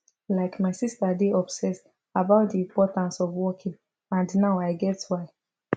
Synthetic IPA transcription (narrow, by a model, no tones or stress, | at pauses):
laɪkmaɪsistadeɔbsɛs | abaʊt̚diĩmpɔtãnsɔvwɔkʰĩŋ | ãndnaʊaɪɡɛtwaɪ